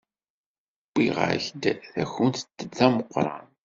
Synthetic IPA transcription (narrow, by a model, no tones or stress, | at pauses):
b̥ːiʁə̰ɾçd̪θæçənt̪t̪ːəːæməqʷːɾˤɑ̰n